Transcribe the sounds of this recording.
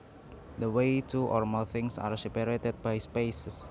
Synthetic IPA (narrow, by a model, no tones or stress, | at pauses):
d̪əwejt̪ʰuʔɔ̰rməlθɪŋsa̰ɾsipɛɾet̪ɛt̪̚b̥ajspejss